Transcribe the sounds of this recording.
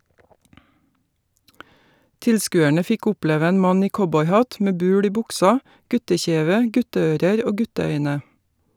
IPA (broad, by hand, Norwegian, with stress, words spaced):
ˈtɪlskʉːæɳə ˈfɪk ˈɔpleːʋə ˈeːn ˈmɑn ˈiː ˈkɔbɔʏˌhɑt ˈmeː ˈbʉːl ˈiː ˈbʊksɑ ˈɡʉtəˌçeːʋə ˈɡʉtəˌøːɾəɾ ˈoː ˈɡʉtəˌœʏnə